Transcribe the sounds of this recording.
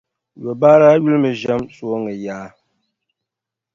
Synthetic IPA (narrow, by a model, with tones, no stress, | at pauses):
jɔ˨baː˦ɾaː˦ju˦lmɨ˨ʒɛ˦msu˨˦o˦ŋɨ˨jaː˦